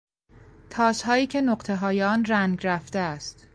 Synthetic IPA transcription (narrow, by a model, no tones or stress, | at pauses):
t̪ʰɒːshɒːiːcʰe̞noɢt̪ʰe̞ɦɒːjeɒːnræŋɡɾæft̪eæst̪